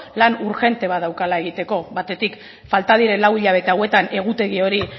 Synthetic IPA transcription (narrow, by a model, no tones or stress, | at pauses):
lanuɾxe̞nt̪e̞βaðawkalae̞ɣ̞it̪e̞ko̞βat̪e̞t̪ik | falt̪að̞iɾe̞nlawiʎaβ̞e̞t̪e̞awe̞t̪ane̞ɣ̞ut̪e̞ɣ̞io̞ɾi